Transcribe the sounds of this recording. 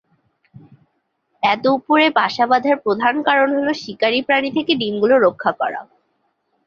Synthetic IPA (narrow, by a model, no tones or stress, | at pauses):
ɛt̪oupoɾebaʃabad̪ʱaɾpɾod̪ʱankaɾonɦoloʃikaɾipɾanit̪ʰekeɖimɡuloɾokʰːakɔ̰ɽa̰